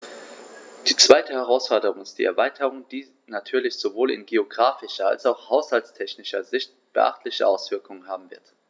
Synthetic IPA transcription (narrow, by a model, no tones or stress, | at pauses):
d̥iːt͡sv̥aɪtəhɛʁ̞aʊsfɔɐdəʁʊŋɪstd̥ḭːʔɛ̰ɐvaɪtʰəʁ̞ʊŋd̥iː | natʰyːɐlɪçz̥ovoːlɪ̰nɡeoɡʁaːfɪʃɐa̰lsaʊxhaʊshaltstʰɛçnɪʃɐzɪçt | b̥ə̰ʔa̰χtʰlɪçəʔaʊsv̥ɪɐkʰʊŋənɦaːbm̩vɪɐt